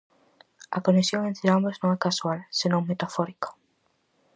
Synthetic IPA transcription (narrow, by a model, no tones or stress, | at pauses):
akonesjoŋẽnt̪ɾeamboznõŋɛkaswalsenõŋmet̪afɔɾikḁ